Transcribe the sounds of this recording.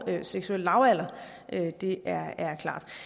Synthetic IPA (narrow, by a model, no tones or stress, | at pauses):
øseɡ̥suel̰əːɑ̈ʊæl̰ɐ | ʔød̥e̝ʔæɐæɐkʰl̥ɑ̰̈ːd̥